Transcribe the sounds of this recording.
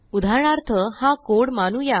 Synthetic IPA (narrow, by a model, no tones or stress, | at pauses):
ud̪ʱaɾɳaɾt̪ʰəhãkoɽmanuja